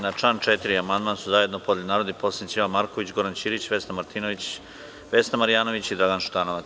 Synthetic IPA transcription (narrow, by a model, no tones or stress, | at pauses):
nat͡ʂant͡ʂet̪iɾiamand̪mansuzajed̪nopod̪lenaːɾod̪eposent͡ʃ̪iʋamaɾko̞ʋit͡ɕɡo̞ɾant͡ɕiɾit͡ɕʋesnamaɾt̪iːnoʋit͡ɕ | ʋesnamaɾijaːno̞ʋit͡ɕid̪ɾaɡanʃt̪anoʋa